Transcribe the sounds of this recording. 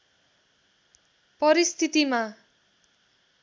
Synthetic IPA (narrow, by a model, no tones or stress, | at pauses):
pʌɾist̪ʰit̪ima